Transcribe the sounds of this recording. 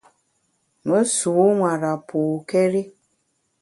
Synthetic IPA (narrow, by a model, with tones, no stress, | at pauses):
ŋo˦su˨u˦ŋʷa˨ɾa˨pʰʊ˨ke˦ɾi˦